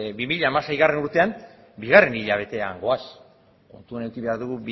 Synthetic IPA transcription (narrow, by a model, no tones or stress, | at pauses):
bimiʎaːmasejɣare̞nuɾt̪e̞am | biɣ̞are̞niʎaβ̞e̞t̪e̞a̰ŋɡo̞as | ko̞̰nt̪uanewkiβe̞aɾðuɣ̞ub